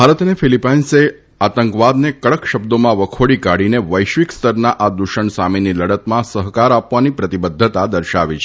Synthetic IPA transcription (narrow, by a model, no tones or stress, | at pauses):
bʱaɾət̪nefilipainse | at̪əŋkʋad̪nekəɭəkʃəbd̪omãʋəkʰoɽikaɽineʋəjʃʋikst̪əɾnaʔad̪uʃəɳsaminiləɽət̪mãsəɦkaɾapʋanipɾət̪ibəd̪ʱːət̪ad̪əɾʃaʋit͡ʃʰ